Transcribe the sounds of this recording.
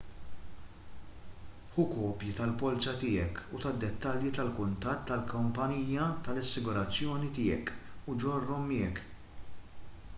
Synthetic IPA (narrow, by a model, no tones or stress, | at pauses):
ħʊkɔːpjit̪ɐlpɔlt͡ʃɐt̪ɪːɛkut̪ɐd̪ːɛt̪ːɐljit̪ɐlkʊnt̪ɐt̪ːɐlkʰʊmpɐniːjɐt̪ɐlɐsːɪɡʊɾɐt͡sːjɔːnit̪ɪːɛ̰kud͡ʒɔrːɔmːɪːɛk